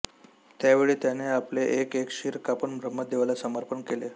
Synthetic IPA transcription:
t̪jaʋeɭiːt̪janeapleʔekekɕiɾkapəɳmɾəmːəd̪eʋalasəməɾpənkele

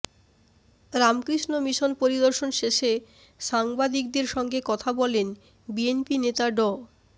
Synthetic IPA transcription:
ɾamkɾiʃnomiʃonpoɾid̪oɾʃonʃeʃe | ʃaŋbad̪ik̚d̪eɾʃɔŋɡekɔt̪ʰabɔlen | bienpinet̪aɖɔ

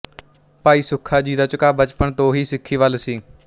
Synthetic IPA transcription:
paːiːsʊkʰːaːd͡ʒiːd̪aːt͡ʃʊkaːbət͡ʃpəɳt̪õːɦiːsɪkʰːiːʋəlsiː

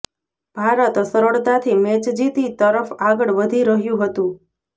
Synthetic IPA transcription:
b̥ʱaɾət̪səɾəɭt̪at̪ʰimet͡ʃd͡ʒit̪it̪əɾəfaɡəɽʋəd̪ʱiɾəɦjũɦət̪ũ

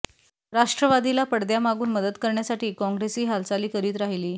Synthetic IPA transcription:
ɾaʂʈɾəʋad̪ilapəɽd̪jamaɡuːnməd̪ət̪kəɾɳjasaʈiːkɔ̃ŋɡɾesiːɦalt͡saliːkəɾiːt̪ɾaɦiliː

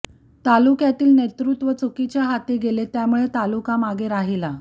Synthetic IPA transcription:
t̪alukjat̪iːlnet̪ɾut̪ʋət͡sukit͡ɕjaɦat̪eɡelet̪jamuɭet̪alukamaɡʱeɾaɦila

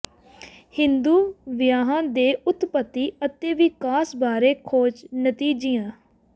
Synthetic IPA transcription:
hɪnd̪uːʋɪjaːɦãːd̪eːʊt̪pət̪ːiːət̪eːʋiːkaːsbaːɾeːkʰoːt͡ʃnət̪iːd͡ʒijãː

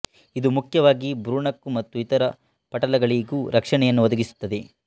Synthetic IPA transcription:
id̪umukʰjɐʋaːɡibɾuːɳɐkːumɐt̪ːuit̪ɐɾɐ | pɐʈɐlɐɡɐɭiɡuːɾʔɐkʂɐɳɛjɐnːuʋɐd̪ɐɡisu̥t̪ːɐd̪e̞

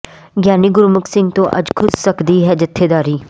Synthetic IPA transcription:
ɡjaːniːɡʊɾmʊksɪ̃ŋɡt̪õːʔə̰d͡ʒkʰʊssəkd̪iːɦɛːd͡ʒɪt̪ʰːeːd̪aːɾiː

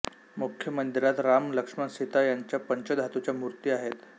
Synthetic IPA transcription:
mukʰjəmənd̪iɾat̪ɾamləkʂmansit̪ajaɲt͡ɕjapəɲt͡ɕəd̪ʱɦat̪ut͡ɕjamuɾt̪iːaɦet̪

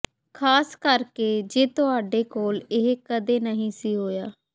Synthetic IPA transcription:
kʰaːskəɾkeːd͡ʒeːt̪ʊɦaːɖeːkoːlɪɦkəd̪eːnəɦĩːsiːɦoːjaː

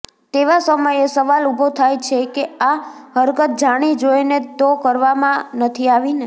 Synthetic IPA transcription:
t̪eʋasəməjesəʋalubʱot̪ʰajt͡ʃʰekeaɦəɾkət̪̚d͡ʒaɽ̃id͡ʒoinet̪okəɾʋamãnət̪ʰiaʋine

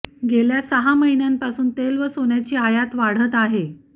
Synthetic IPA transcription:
ɡeljasəɦaməɦinjampasuːnt̪elʋəsonjat͡ɕiːajat̪ʋaɽ̤ət̪aɦe

